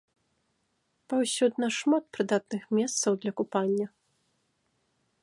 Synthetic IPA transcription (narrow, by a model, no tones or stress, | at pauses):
pawsʲud̪nɐʂmat̪̚pɾɨd̪at̪nɨxmʲɛst̪sɐwd̪lʲɐkupanʲːɐ